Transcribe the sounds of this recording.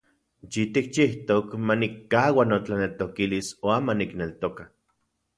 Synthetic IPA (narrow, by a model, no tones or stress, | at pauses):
t͡ʃit̪ik̚t͡ʃiht̪okmanikːaːwanot͡ɬanelt̪okilisoamaniknelt̪oka